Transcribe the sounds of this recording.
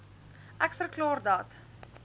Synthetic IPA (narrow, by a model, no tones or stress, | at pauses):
ʔækfərklɑːrdɐt